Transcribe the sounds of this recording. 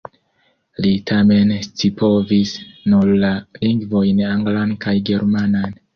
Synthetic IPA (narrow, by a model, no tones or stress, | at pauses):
litʰame̞nstipʰovisnullaliŋɡvo̞jnaŋɡlankajɡe̞ɾmanan